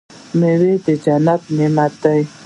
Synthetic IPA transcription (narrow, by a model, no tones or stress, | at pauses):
mewed̪əd͡ʒanabnimat̪aj